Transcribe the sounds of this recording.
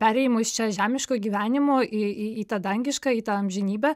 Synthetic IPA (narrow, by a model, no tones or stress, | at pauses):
pʲæːɾʲɛɪmost͡ʃʲɛʒʲæːmʲɪʃkoːɡʲiːʋʲæːnʲɪmoːʔɪiiːt̪ɑːd̪ɐŋʲɡʲɪʃkɑːiːt̪ɑɐmʲʒʲɪnʲiːbʲæː